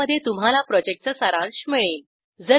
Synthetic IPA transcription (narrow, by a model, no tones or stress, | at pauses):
əd̪ʱːjet̪um̤alapɾɔd͡ʑek̚təsəɾãɳɕmeɭeːl | d͡zə